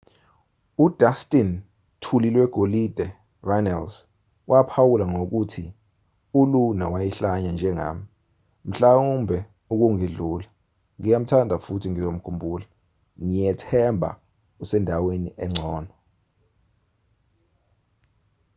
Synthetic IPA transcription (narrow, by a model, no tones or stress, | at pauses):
ud̥ʱastʼin | tʰulilwɛɡ̥ʱolid̥ʱɛ | ranals | wʔapʰawulaŋok̬utʰi | ulunawajiɬaɲand͡ʒʱɛŋa̰ːmi | m̩ɬaumbʱɛ | uk̬uŋiɮuːla | ŋijam̩tʰandʱafutʰiŋizom̩kʰumbʱuːla | ŋijɛtʰɛmbʱa̰ | usɛndʱawenḭʔɛŋ͡ǀʱɔːnʱɔ